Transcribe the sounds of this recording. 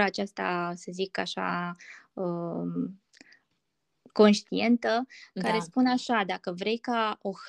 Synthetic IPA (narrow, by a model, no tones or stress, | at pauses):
at͡ʃast̪a̰səzika̰ʃa̰ | ə | ko̞nʃt̪ie̞nt̪əkaɾe̞spunaʃad̪akəvɾe̞jkao̞x